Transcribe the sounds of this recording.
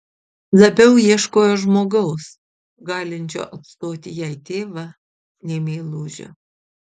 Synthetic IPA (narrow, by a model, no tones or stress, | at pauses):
lˠɐbʲɛʊjiɛʃkoːjoːʒmoːɡɐʊs | ɡɑːlʲɪnʲt͡ʃʲo̰ːʔɐt̪st̪oːt̪ʲɪjɛɪt̪ʲeːʋɑ | nʲeːmʲeːlˠuːʒʲo̰ː